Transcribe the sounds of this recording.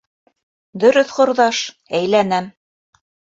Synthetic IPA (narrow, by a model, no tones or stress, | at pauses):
d̪ɵ̆ɾɵθqŏɾðɑʃ | æjlænæm